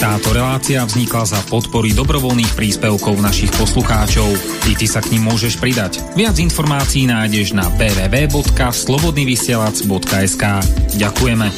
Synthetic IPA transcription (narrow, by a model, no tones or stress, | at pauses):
t̪aːt̪ɔɾɛlaːt͡siavzɲiklazapɔt̪pɔɾid̪ɔbɾɔʋɔlniːxpɾiːspɛʊkɔʊnaʃixpɔsluxaːt͡ʃɔʊ | it̪isakɲimːʊɔʒɛʃpɾid̪ac | ʋɪad͡zinfɔɾmaːt͡siːnaːjɟɛʒna̰bɛːʋɛːʋɛːbɔt̪kaslɔbɔd̪niːʋisɪɛlad͡zbɔt̪kaɛskaːɟakujɛmɛ